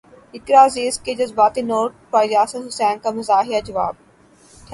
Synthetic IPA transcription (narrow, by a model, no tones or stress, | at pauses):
ɪkɾaːziːsked͡ʒɐzbaːt̪inoːɾʈ̚pɾaːd͡ʒaːsəd̪ɦʊsɛːnkamɐzaːɦɪjad͡ʒɐʋa̰ːb̪̚ʰ